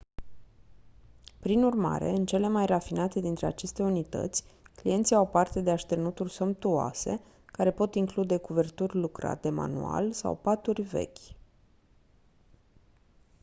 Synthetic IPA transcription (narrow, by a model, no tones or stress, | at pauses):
pɾinurma̰ɾe̞ɨnt͡ʃe̞le̞majrafinat̪e̞d̪int̪ɾe̞at͡ʃe̞st̪e̞unit̪ə̰t̪sʲklijent̪siawpart̪e̞d̪e̞aʃt̪ernut̪urʲso̞mpt̪ua̰se̞̰ | kaɾe̞po̞t̪iŋklud̪e̞kuve̞rt̪urʲlukɾa̰t̪e̞ma̰nṵa̰lʲsa̰wpat̪urʲve̞̰kʲ